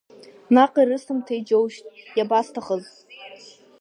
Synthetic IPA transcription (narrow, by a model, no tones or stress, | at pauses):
naqʼirɨsɨmtʰajd͡ʒowʃtʼjabastʰaχəz